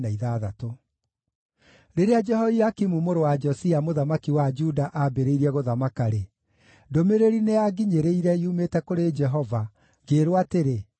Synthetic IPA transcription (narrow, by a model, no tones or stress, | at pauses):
naiðaðato | ɾeɾead͡ʒɛhɔiakimumoɾowad͡ʒɔsiamoðamakiwad͡ʒudaʔabeɾeiɾiɛɣoðamakaɾe | domeɾeɾineaɡiɲeɾeiɾɛiumetɛkoɾed͡ʒɛɦɔva | ɡeːɾwateɾe